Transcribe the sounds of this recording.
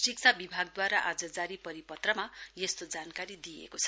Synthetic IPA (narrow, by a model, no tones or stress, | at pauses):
sikt͡sʰabibʱaɡ̚d̪waɾaʔad͡zʌd͡zaɾipʌɾipʌt̪rʌmajest̪od͡zankaɾid̪ijḛkot͡sʰʌ̥